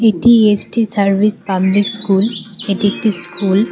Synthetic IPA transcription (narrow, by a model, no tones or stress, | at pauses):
etiesʈisaɹbʱispamlikskuletiek̚ʈiskʰul